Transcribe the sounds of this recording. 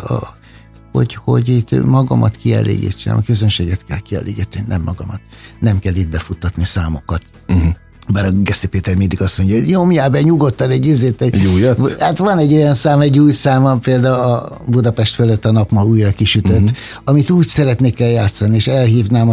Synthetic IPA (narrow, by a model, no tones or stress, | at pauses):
ɒ̰ | ho̞̰ɟho̞ɟit̪mɒɡɒ̰mɒ̰t̪kiɛ̰lḛːɡḭt͡ʃːɛ̰mʔɒkø̞zønʃeːɡɛt̪kɛ̰lkiɛ̰lḛːɡḭt̪ːɛninɛ̰mːɒɡɒmɒt̪nɛmkɛlːiːt̪̚bɛfut̪ːɒt̪nisaːmo̞kɒt̪ | baːɾɒɡɛst̪ipeːt̪ɛrmind̪iɡɒsmo̞ɲɟɒoɟɲomjaːbɛɲuɡo̞t̪ːɒnɛɟːizeːt̪ɛɛɟuːjthat̪ʋɒnɛɟːo̞jɒnsaːmɛɟːuːjsaːmɒpeːld̪aːuɒ | bud̪ɒpɛʃt̪føløt̪ːɒnɒpmɒuːjrɒkiʃyt̪øt̪ː | ɒmit̪uːcsɛɾɛt̪neːkɛljaːt̪sɒnieːʃɛlɦiːvnaːm